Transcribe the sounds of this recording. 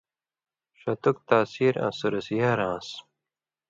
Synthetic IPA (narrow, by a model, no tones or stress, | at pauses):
ʂɐt̪uk̚t̪aːsiːɾã̰suɾɐsijaɾãːs